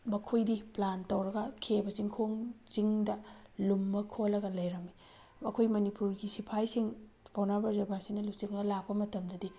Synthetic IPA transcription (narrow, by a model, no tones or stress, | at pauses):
mɐkʰojdiplantɐwɾɐɡɐkʰebɐziŋkʰoŋziŋdɐlumːɐkʰolːɐɡɐlɐjɾɐmi | ɐkʰojmɐnipuɾɡisipʰajsiŋpʰawnabɐɾzɐbasinɐlut͡ʃiŋɐɡɐlak̚pɐmɐtɐmdɐdi